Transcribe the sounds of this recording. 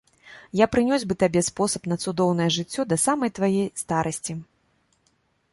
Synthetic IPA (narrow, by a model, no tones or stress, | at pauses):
japɾɨnʲɔzʲbɨt̪abʲɛspɔsɐ̥pn̪ɐt̪sud̪ɔwn̪ɐjɛʐɨt͡sʲːɔd̪ɐsamɐjt̪vajɛjst̪aɾʔɐsʲt͡sʲi